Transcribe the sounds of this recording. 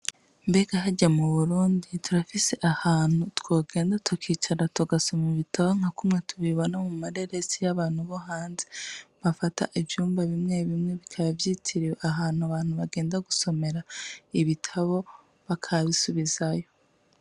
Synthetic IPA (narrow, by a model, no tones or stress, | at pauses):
mbe̞ɡaɦaɟamuβuɾuːndituɾafise̞ʔahaːn̥utkwoːɡe̞ːndatʰukiːt͡ʃaɾatuɡaso̞meβitʰaβoŋ̥akumŋe̞tʰuβiβo̞namumaɾe̞ɾe̞sijaβaːn̥huβo̞ɦaːnzeβafata̰ʔivjuːmbaβimŋe̞βimŋe̞βikʰaβavjiːtʰiɾiweaɦaːn̥huaβaːn̥huβaɡe̞ːndaɡuso̞me̞ɾaiβitʰaβo̞ | βakʰaβisuβizajo̞